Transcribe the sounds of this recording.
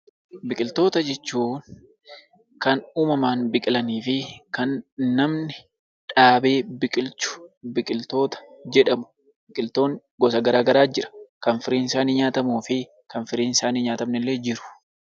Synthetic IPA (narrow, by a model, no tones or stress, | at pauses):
bɪkʼɪlt̪o̞ːt̪ɐd͡ʒɛt͡ʃːuːn | kɐnuːmɐmaːnbɪkʼɪlɐniːfɪkɐnːɐmnɪ | ᶑaːbe̞ːbɪkʼɪlt͡ʃʊ̥bɪkʼɪlt̪o̞ːt̪ɐ̥d͡ʒɛᶑɐmʊ̥ | bɪkʼɪlt̪o̞ːŋ | ɡɔsɐɡɐɾaːɡɐɾaːd͡ʒɪɾɐ̥kɐnfɪɾiːnsaːniːɲaːt̪ɐmuːfɪ | kɐnfɪɾiːnɪsaːniɲaːt̪ɐmnɪlːe̞ːd͡ʒɪɾʊ̥